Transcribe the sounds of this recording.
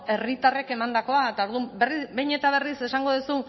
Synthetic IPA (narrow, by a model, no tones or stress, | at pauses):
e̞rit̪are̞ke̞mand̪ako̞aet̪ao̞ɾðumberibe̞jɲe̞t̪aβ̞e̞rise̞saŋɡo̞ðusu